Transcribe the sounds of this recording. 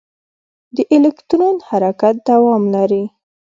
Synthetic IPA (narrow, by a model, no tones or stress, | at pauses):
d̪əʔɪlekt̪ɾonhaɾakat̪̚d̪awɑmlaɾi